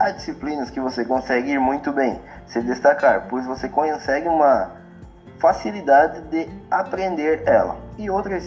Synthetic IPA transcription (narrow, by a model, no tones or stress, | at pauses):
ad͡ʒisiplĩnɐskɪvosekõsɛɡɪiɾmũj̃t̪ʊbẽj̃ | sɪd̪est̪akaɾpojzvosekõsɛɡɪũmɐ | fasilid̪ad̪ɪd̪ɪapɾẽnd̪eɾɛlɐ̰ɪowt̪ɾɐ